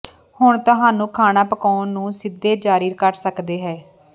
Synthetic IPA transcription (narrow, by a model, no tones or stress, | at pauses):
hʊɳt̪ʊɦaːnũːkʰaːnaːpəkaːnːũːsɪd̪eːd͡ʒaːɾiːɾkəɾsəkd̪eːɦɛː